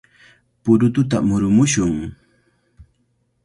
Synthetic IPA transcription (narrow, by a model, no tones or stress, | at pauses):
pʊɾʊt̪ʊt̪̬a̰mʊɾʊmʊʃʊŋ